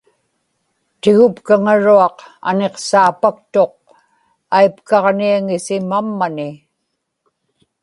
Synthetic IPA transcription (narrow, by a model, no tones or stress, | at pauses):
t̪ɪɣʊpkaŋaɻuɑqa̰ne̞qsaːpak̚t̪o̞q̚ | ajpkɑʁniaŋɪsɪmamːanɪ